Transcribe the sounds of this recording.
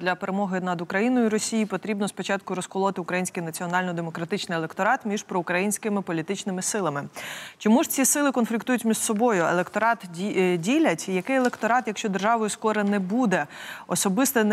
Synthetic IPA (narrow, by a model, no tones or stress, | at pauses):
d̪lʲɐpeɾemɔɦɪnɐd̪ʊkɾɐjinɔjʊɾɔsʲijipɔt̪ɾʲibnɔspɔt͡ʃɑt̪kʊɾɔskɔlˠɔt̪ɪʊkɾɐjinʲsʲkijnɐt͡sʲiɔnɑlʲnɔd̪emɔkɾɐt̪ɪt͡ʃnɪjɛlˠekt̪ɔɾɑt̪mʲiʒpɾɔʊkɾɐjinʲsʲkɪmɪpɔlʲit̪ɪt͡ʃnɪmɪsɪlˠɐmɪt͡ʃɔmuʐt͡sʲisɪlˠɪkɔnflʲikt̪ujʊtʲmʲiʒ̥sɔbɔjʊḛlˠekt̪ɔɾɑt̪ʲidʲilʲɐtʲjɐkɪjɛlˠekt̪ɔɾɑt̪jɐkʃt͡ʃɔd̪erʒɑʋɔjʊskɔɾɛnɛbud̪ɛɔsɔbɪst̪ɛn